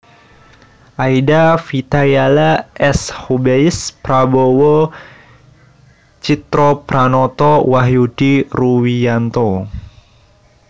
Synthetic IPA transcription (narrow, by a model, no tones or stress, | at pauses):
ʔajdafit̪ajalaʔɛshubeispɾabowo | t͡ʃit̪ɾopɾanɔt̪ɔwaɦjudiruwijant̪ɔ